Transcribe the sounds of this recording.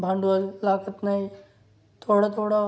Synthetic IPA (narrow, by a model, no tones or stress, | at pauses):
bʱãːɳɖuɐlaːkət̪nai | t̪ʰoːɽat̪ʰoːɽa